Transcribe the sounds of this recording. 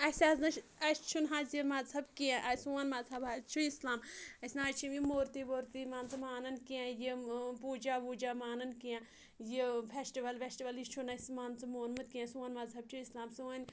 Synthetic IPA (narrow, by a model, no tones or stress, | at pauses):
ɐsʲaznɐʃɐst͡ʃʰunɦãːzimɐzɐbkiãʔɐsuɐnmɐzɐbat͡ʃʰuislaːmɐsʲnaːt͡ʃʰimjimoːɾt̪iʋoːɾt̪imaːnt͡sɨmaːnɐnkiãjipuːd͡ʒaːʋuːd͡ʒaːmaːnɐnkiã | jifʰʲesʈiʋɐlʋʲesʈiʋɐlit͡ʃʰunɐsmaːnt͡sɐmoːnmɐt̪̚kiãsuːɐnmɐzɐb̚t͡ʃʰuislaːmsuːɐnʲ